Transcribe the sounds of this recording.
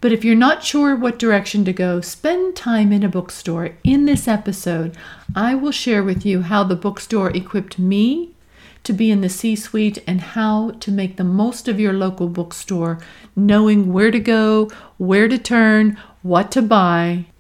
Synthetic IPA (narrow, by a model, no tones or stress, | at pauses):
b̥ʌɾɨfjə˞nətʃʊɹwʌt̚d̥ə˞ɛkʃɨ̃n̩tɨɡoʊspɛ̃ntʰãɪ̃mɨ̃nɨbʊkstɔɹɪ̃nðɪsɛpɨsoʊɾʔaɪwɪlˠʃɛɹwɨðjɨɦaʊðəbʊkstɔɹʔɨkʰw̥ɪp̚t̚mi | ɾɨbiɨ̃nðɨsiswiɾɨ̃nhaʊɾɨmeɪk̚ðəmoʊstʌvjə˞loʊkl̩ˠbʊkstɔɹnoʊɪ̃ŋwəɹɾɨɡoʊwə˞ɾɨtʰɜ̃˞n | wʌtʰːɨbaɪ